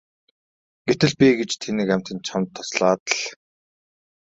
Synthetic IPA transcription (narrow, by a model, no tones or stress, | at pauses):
ɡ̥et̪ɘ̆ɮpʲiɡet͡ɕt̪ʰenĭːkæm̥ʲt̪ɘ̆nt͡ɕʰamt̪ʰːɔ̥sɮaːt̪əɮ